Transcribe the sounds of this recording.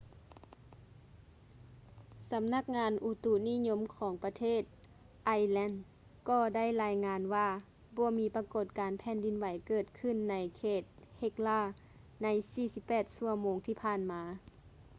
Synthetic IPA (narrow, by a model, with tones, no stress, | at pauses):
sa˨˧˦mna˧˥˩k̚ŋaː˧nʔu˧˩t̪u˧˩niː˧˥˨ɲo˧˥mkʰɔː˨˦ŋpa˧t̪ʰeː˥˩˨t̪̚ | ʔa˧jlɛː˧˥˨n | kɔː˧˩da˥˨jlaː˧˥jŋaː˧˥nwaː˧ | bɔː˧˦miː˨˦˥pa˧ko˧˩t̪̚kaː˨˦npʰɛː˨˧˦ndi˨˦nwa˨˩jkɤː˧˩t̪̚kʰɯ˧˥˨nːa˧jkʰeː˧˩t̪̚he˧˦k̚laː˧˩ | na˧˥jsiː˧˩si˧˦pːɛː˨˩t̪̚su˧˩ɐmoː˨˧ŋt̪ʰiː˧˩pʰaː˧˥˨nmaː˨˦